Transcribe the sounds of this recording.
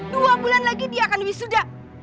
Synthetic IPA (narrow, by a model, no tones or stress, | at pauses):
duabulanlaɡidiakanwisuda